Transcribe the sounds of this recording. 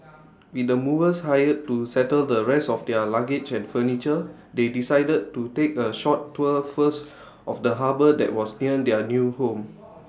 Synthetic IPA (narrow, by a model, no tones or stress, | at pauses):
widəmuvəshajəd̚tusɛtəldəɹɛsɔfdɛəlaɡet͡ʃɛ̃nfənit͡ʃə | dedisajdəd̚tutekəʃɔtʰːuəfəs | ʔɔfdəɦabədɛ̰t̚wɔsniə̃dɛənjuhõm